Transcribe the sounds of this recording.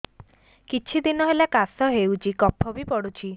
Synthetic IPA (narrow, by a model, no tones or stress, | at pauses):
kit͡ʃʰid̪inɔɦelakasɔɦewt͡ʃʰikɔpʰɔbipɔɽut͡ʃʰi